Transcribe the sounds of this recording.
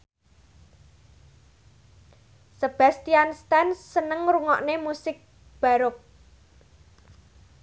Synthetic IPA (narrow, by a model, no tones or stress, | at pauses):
səb̥a̤st̪ianst̪anːənəŋɾuŋɔ̰ʔnemusɪk̚ | b̥a̤ɾʊk̚